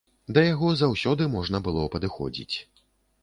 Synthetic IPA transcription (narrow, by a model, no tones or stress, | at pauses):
d̪ɐjaɣɔzawsʲɔd̪ɨmɔʐnɐbɨlˠɔpɐd̪ɨxɔ̰d͡zʲḭt͡sʲ